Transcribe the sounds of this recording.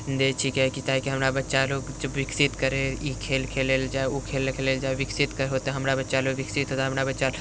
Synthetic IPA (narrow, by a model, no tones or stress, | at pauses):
nd̪eːʈʰiːkɦɛkit̪aːɦikiɦɐmɾabɐtːʃaloːɡd͡ʒəbwɪksɪt̪kəɾeikʰeːlkʰeːleld͡ʒaːeokʰeːlkʰeːleːld͡ʒaːeʋɪksɪt̪kəɾɦoːt̪eɦɐmɾabɐtːʃaloːɡʋɪksɪt̪ɦoːt̪aɦɐmɾabətːʃal